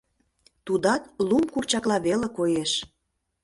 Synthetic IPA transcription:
t̪ud̪ɑt̪lumkurt͡ɕɑklɑβelekojeʃ

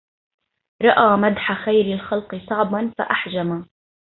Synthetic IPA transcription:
ɾˤɑʔaːmad̪ħaxajɾɪlxɑlqɨsˤɑʕbanfa̰ʔaħd͡ʒama

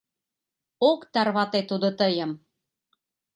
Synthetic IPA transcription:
okt̪ɑrβɑt̪et̪ud̪ot̪əjə̆m

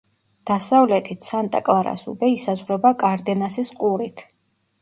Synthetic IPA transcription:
d̪̥asavlɛt̪ʰit̪ʰsant̪ʼa̰kʼlˠaɾa̰sṵbɛisazʁwɾɛbakʼaɾd̪ɛnasisqʼuɾit̪ʰ

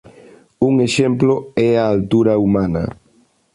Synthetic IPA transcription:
uŋeʃemplʊɛɐːlt̪uɾɐumanɐ̰

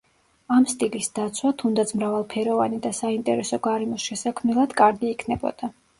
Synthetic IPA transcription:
amst̪ʼilisd̪̥at̪sʰwat̪ʰund̪at̪sʰmɾavalˠpʰɛɾɔvanid̪asaint̪ʼɛɾɛsɔɡaɾɛmɔsʃɛsakʰmnilˠad̪̥kʼaɾɡiːkʰnɛbɔ̰d̪̥a

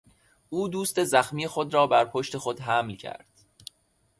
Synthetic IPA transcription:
ʔuːd̪uːst̪e̞zæxmiːjexo̞d̪ɾɒːbæɾpʰo̞ʃt̪e̞xo̞d̪ɦæmlcʰæ̰ɾd̪̥

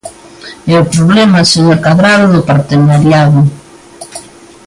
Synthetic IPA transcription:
eopɾoβlemaseɲokaðɾaðoðʊpaɾt̪enaɾjaðʊ

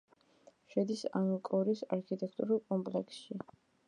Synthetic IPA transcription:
ʃɛd̪isaŋkʼɔɾisaɾkʰit̪ʼɛkʰt̪ʼuɾulˠkʼɔmpʼlɛkʰsʃi

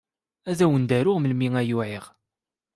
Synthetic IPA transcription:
æðæwənd̪æɾʊʁməlmiŋæjʊʕiʁ

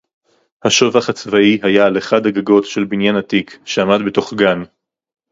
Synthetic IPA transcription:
haʃovaχat͡svaiɦajaleχadaɡaɡo̞tʃe̞lbinjanatikʃeamadbeto̞χɡan

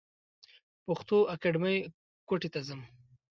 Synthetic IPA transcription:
pʊxt̪oakaɖməj | koʈet̪azəm

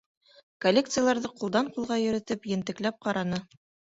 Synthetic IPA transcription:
kolʲekt̪sɨjalˠɑɾðɤqulˠd̪ɑɴqulˠʁɑjɵ̆ɾɘ̆t̪ɘpjɘ̆nt̪ɘ̆klæp̚qɑɾɑnɤ

